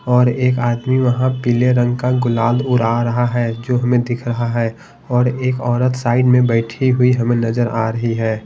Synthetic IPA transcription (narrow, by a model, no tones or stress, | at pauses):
ɔːɾeːkaːd̪miʋɐɦãpileɾə̃ŋɡkaɡʊlaːd̪ʊɾaːɾɐɦaɦɛd͡ʒoːɦɐmẽd̪ɪkʰɾɐɦaɦɛː | ɔːɾeːkɔːɾət̪saːɪɖmẽbɛːʈʰiɦʊiɦɐmẽnɐzəɾa̰ːɾɐɦiɦɛː